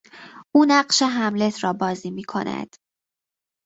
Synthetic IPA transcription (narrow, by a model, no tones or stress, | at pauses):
ʔuːnæɢʃe̞ɦæmle̞t̪ʰɾɒːbɒːziːmiːkʰo̞̰næ̰d̪̥